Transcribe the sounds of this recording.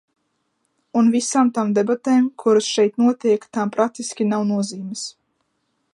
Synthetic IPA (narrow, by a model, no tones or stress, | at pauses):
unvisaːmt̪amd̪ɛbat̪eːmkʰuɾasʃɛjt̪nuɔt̪iɛkt̪ampɾat̪ːisʲkʲinawnuɔziːmɨs